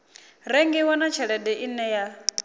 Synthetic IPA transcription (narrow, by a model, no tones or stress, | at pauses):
ɾɛŋɡɛwɔnat͡ʃʰɛɺɛdɛʔinɛja